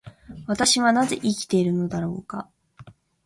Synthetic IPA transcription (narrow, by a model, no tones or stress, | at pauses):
βat̪aɕiβanaze̞̰ʔikʲi̥t̪e̞iɾɯ̟no̞d̪aɾo̞̰ːka̰